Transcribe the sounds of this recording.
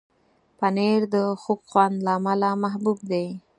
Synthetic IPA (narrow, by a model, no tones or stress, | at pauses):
paneɾd̪əxobxwand̪laːmalamaɦbub̚d̪e